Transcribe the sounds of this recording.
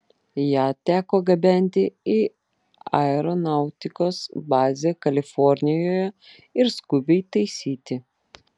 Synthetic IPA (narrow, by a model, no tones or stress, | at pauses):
jæːt̪ʲæːkoːɡɐbʲɛnʲt̪ʲɪi | ɐ̰ɛɾonɑˑʊt̪ʲɪkoːsbɑːzʲekɐlʲɪfɔɾʲnʲɪjoːjɛ | ɪɾskʊbʲɛɪt̪ɐɪsʲiːt̪ʲɪ